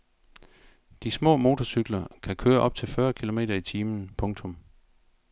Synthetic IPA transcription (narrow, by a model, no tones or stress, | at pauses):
d̥ismɔ̰ːmo̝ːt͡sʰɒsyɡ̥lɐkʰækʰøːɐʔɒ̽b̥̚t͡sʰe̝lfɶːɐkʰilo̝me̝̰ːdɐit͡sʰiːmn̩pʰɔ̽ŋt͡sʰɔ̽m